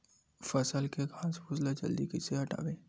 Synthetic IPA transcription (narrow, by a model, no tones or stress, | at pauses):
fəsəlkekʰaːspʊzlad͡ʒə̰ld̪ikeseɦɐʈa̰ːʋeː